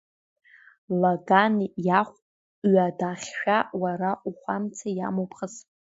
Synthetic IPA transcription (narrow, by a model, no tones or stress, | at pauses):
laɡanjaχʷʼ | ɥadaχʲʃᶣawaɾaʔuχʷamt͡sʰajamopʰχəs